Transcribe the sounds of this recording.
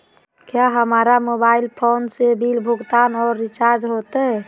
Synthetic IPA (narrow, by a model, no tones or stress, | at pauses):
kjaɦəmaːɾamobaɪlpʰoːnsebilbʱʊɡt̪aːnɔːɾːit͡ʃaɾd͡ʒɦot̪eɦɛ